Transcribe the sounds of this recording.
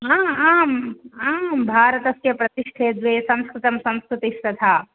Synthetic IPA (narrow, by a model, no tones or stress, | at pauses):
aːaːmaːmbʱaːɾɐt̪ɐsjɐpɾɐt̪iʂʈʰeːd̪ʋeːsɐ̃m̃skɾɪt̪ɐmsɐ̃mskɾɪt̪isɾɐt̪ʰaː